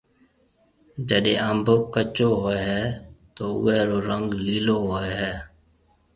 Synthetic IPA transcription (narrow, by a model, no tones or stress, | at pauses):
d͡ʒəɗḛ̃ːəmbʱkət͡ʃoːɦoːeːɦɛːt̪oːʊ̰ːɛːɾoːɾəŋɡliːloːɦoːeːɦɛː